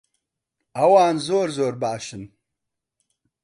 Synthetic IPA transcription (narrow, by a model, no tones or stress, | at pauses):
ɐwaːnzoːɾzoːɾbaːʃɨn